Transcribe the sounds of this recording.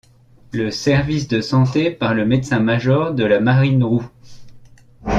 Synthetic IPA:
ləsɛʁvisd̪əsɑ̃t̪epaʁləmɛt̪sɛ̃maʒɔʁd̪əlamaʁinʁu

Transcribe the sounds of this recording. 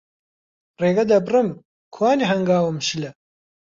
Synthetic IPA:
reːɡɐd̪ɐbrɨm | kʰwaːniɦɐŋɡaːwɨmʃilɐ

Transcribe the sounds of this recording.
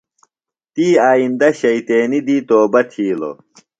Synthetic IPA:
t̪iːaːind̪ɐɕɐit̪eːnid̪iːt̪oːbɐt̪ʰiːlo̰

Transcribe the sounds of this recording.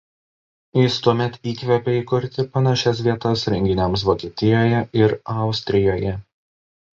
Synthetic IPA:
jɪst̪uɔmʲɛt̪iːkʋʲɛpʲɛiːkʊɾʲt̪ʲɪpɐnɑʃʲɛs̬ʋʲiɛt̪ɐsɾʲɛŋʲɡʲɪnʲɛms̬ʋoːkʲiɛt̪ʲɪjoːjɛɪɾɑˑʊsʲt̪ʲɾʲɪjoːjɛ

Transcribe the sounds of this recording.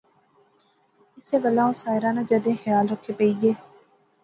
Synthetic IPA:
ɪseːbəlːãːʊsaːɪɾãːnãːd͡ʒəd̪ẽːxjaːlɾəkʰːeːpəiːɡeː

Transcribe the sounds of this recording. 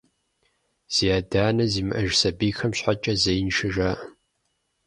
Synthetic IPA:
z̥iaːdaːnɐziːmɨʔɐʒsɐbiːxɐmɕħat͡ʃʼɐzɐjnʃɨʒaːʔ

